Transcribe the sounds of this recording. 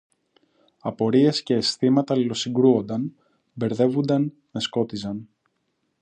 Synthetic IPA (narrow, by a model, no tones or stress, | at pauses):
ɐpo̞ɾie̞sce̞ːsθimɐt̪ɐlilo̞siŋɡɾuo̞nd̪ɐn | be̞ɾðe̞vund̪ɐn | me̞sko̞t̪izɐn